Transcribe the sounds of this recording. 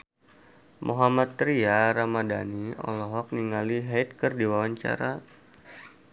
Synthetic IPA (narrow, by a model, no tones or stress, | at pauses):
mʔoɦamat̪ːɾiaɾamadaniɔ̰lɔɦɔk̚niŋaliɦat̪̚kɨrdiwawaɲt͡ʃa̰ɾa